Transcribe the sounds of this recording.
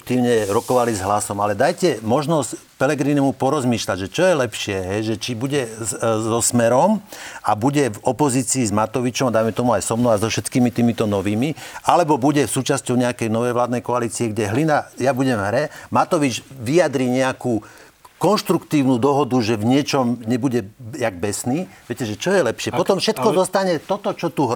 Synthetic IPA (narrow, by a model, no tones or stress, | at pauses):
t̪iːʊɲɛɾɔkɔʋalizɦlasɔmalɛd̪ajcɛmɔʒnɔsc | pɛlɛɡɾiːnumupɔɾɔzmiːʃlaɟʒɛt͡ʃɔjɛlɛpʃɪɛɦɛjʒɛt͡ʃibuɟɛzɔsmɛɾɔmabuɟɛvɔpɔziːt͡siːzmat̪ɔʋit͡ʃɔmad̪ajmɛt̪ɔmuajsɔmnɔazɔfʃɛt̪kiːmit̪iːmit̪ɔnɔʋiːmialɛbɔbuɟɛsuːt͡ʃascɔʊɲɛakɛjnɔʋɛjʋlaːd̪nɛjkɔaliːt͡siɛɡɟɛɦlinajabuɟɛmɦɾɛmat̪ɔʋid͡ʒʋijad̪ɾiːɲɛakuː | kɔnʃt̪ɾukt̪iːʊnud̪ɔɦɔd̪uʒɛvɲɪɛt͡ʃɔmɲɛbuɟɛjaɡ̚bɛsniːʋɪɛcɛʒɛt͡ʃɔjɛlɛpʃɪɛpɔt̪ɔmfʃɛt̪kɔd̪ɔst̪aɲɛt̪ɔt̪ɔt͡ʃɔt̪uɦ